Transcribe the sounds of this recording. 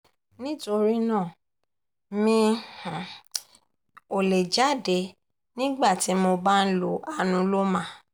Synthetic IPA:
nĩ˦to˧ɾi˦nãː˦˨ | mĩ˧˨ | o˨le˨d͡ʒa˨˦˨de˨˧˦ | nĩ˦ɡ͡ba˦˨ti˨˦mo˧ba˦n̩˦lo˨˦a˦nũ˧˦lo˦mã˦

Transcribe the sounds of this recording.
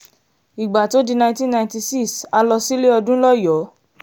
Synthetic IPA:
i˨ɡ͡ba˨to˦di˧nã˧ĩ˦tĩ˦nːã˧ĩ˨˦ti˧si˦˨ksa˧lɔ˧si˦le˦ɔ˧dũ˦lɔ˦˨jɔ˨˦

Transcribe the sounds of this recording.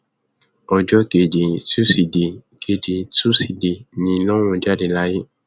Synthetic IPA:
ɔ˧d͡ʒɔ˦ɡe˨de˨su˦si˨di˨ɡ̥e˨de˨su˦si˨di˨nĩ˧˦lɔ˦w̃ũ˧d͡ʒa˦˨de˨la˦je˦

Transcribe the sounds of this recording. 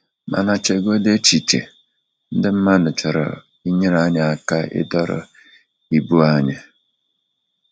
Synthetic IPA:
ma̰˨na˨t͡ʃe˨ɡo˦de˦t͡ʃi˨t͡ʃḛ˨ | n̩˦dɪ˦m̩˦ma˦dʊ˨t͡ʃɔ˨ɾɔ̰˨ | i˦ɲe˦ɾa˨˦ɲa˨a˨ka˦ʔɪ̰˦dɔ˦ɾɔ̰˦ | i˨bu˦a˦ɲa˨

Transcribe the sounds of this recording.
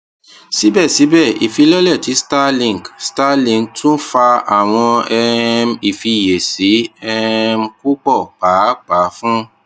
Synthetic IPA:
si˨˦bɛ˦˨si˨˦bɛ˦˨ḭ˨fi˧˦lɔ˦lɛ˦˨ti˨˦sta˦lĩ˨ŋ˨ɡsta˦lĩ˧˨ŋtũ˦fa˧a˨w̃ɔ̃˧ɛ˧mi˨fi˧je˨si˨˦ɛ˦m̩˧ku˦k͡pɔ˦˨k͡paː˨˦k͡pa˨˦fũ˦

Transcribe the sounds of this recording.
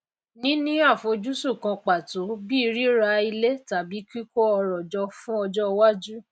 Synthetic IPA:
nĩ˦nĩ˦a˦˨fo˧d͡ʒu˦su˦˨kã˧k͡pa˨to˨˦bi˦i˧ɾi˦ɾa˧i˧le˦ta˨bi˨˦ki˦ko˦ɔ˧ɾɔ˨d͡ʒɔ˧fũ˦ɔ˧d͡ʒɔ˦wa˦d͡ʒu˦

